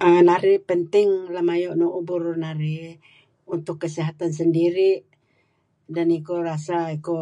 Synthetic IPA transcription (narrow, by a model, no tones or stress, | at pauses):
anaɾipənt̪iŋlamajɔʔnuʔubuɾnaɾi | unt̪ʊkːəsiɦat̪ans̬əndiɾiʔ | danikorasaiko